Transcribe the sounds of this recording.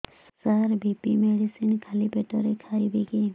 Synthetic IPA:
saɾbipimeɽisinkʰalipeʈɔɾekʰaibiɡe

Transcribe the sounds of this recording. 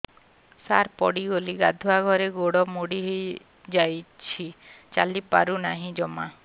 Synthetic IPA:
saɾpɔɽiɡoliɡad̪ʱuaɡʱɔɾeɡoɽɔmoɽiɦej | d͡ʒajt͡ʃʰit͡ʃalipa̰ɾunaɦĩd͡ʒɔma

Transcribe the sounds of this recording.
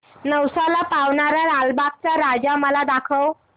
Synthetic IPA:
nəwsalapawɳaɾaɾalbak̚t͡saɾad͡zaməlad̪akʰəw

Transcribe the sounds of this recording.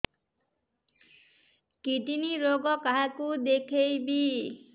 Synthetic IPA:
kit̪iniɾoɡɔkaɦakud̪ekʰejbi

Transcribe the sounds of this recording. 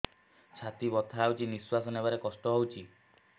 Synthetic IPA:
t͡ʃʰat̪ibɔt̪ʰaːwt͡ʃʰiniswasɔnebaɾekɔsʈɔɦowt͡ʃʰi

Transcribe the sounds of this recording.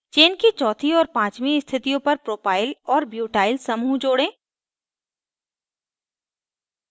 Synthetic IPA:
t͡ʃeːnkit͡ʃɔːt̪ʰiɔːɾpãːt͡ʃmĩst̪ʰɪt̪ijõpɐɾpɾoːpaːɪlɔːɾbjuːʈaːɪlsɐmud͡ʒoːɽẽː

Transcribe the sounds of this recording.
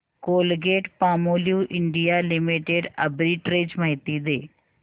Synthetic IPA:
koːlɡeːʈpaːmoːljuʔɪɳɖijalɪmiʈeɖɐbɾiʈɾeːd͡ʒmɐɦit̪id̪eː

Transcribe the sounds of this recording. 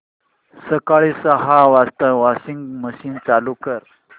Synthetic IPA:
səkaɭisəɦaʋast̪əʋasiŋɡməɕiːnt͡salukəɾ

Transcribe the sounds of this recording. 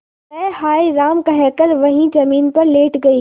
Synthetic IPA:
ɛːhaːiɾaːmkaɦɛːkəɾʋɐɦĩd͡ʒɐmiːnpɐɾleːʈɡɐiː

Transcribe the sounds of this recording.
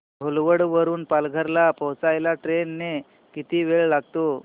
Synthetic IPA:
olʋəɽʋəɾuːnpalɡʱəɾlapəwt͡sajlaʈɾenːe | kit̪iːʋeɭlaɡ̚t̪o

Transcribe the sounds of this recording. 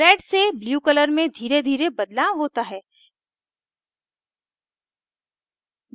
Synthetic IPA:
ɛːɖsebljuːkələɾmẽd̪ʱiːɾed̪ʱiːɾebɐd̪laːɦoːt̪aɦɛː

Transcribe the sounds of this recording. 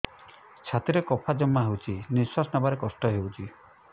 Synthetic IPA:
t͡ʃʰat̪iɾekɔpʰad͡ʒɔmːaɦewt͡ʃʰiniswasnabaɾekɔsʈɔɦewt͡ʃʰi

